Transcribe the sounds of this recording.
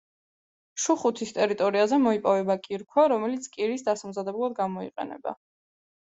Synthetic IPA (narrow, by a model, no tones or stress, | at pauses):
ʃuχut̪ʰist̪ʼɛɾit̪ʼɔɾiazɛmɔipʼɔvɛbakʼiɾkʰwaɾɔmɛlit̪sʰkʼiɾisd̪asamzad̪ɛbulˠad̪ɡamɔḭqʼɛ̰nɛ̰ba̰